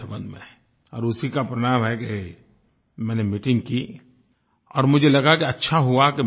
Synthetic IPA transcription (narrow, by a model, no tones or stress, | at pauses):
ɐbə̃nd̪mḛ̃ | ɔːɾʊsikapɾɐñaːmɦɛke | mɛ̃ːnemiʈɪ̃ŋɡ̚ki | ɔːɾmʊd͡ʒʱelɐɡakeɐtːʃʰaɦuake